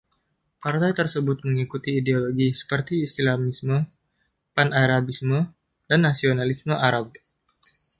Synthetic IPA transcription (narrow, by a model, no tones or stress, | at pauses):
part̪ajt̪ərsəbʊt̪̚məŋikut̪iːdeoloɡisə̥pərt̪iːst̪lamismə | panaɾabismə | danːasionalisməʔaɾab̚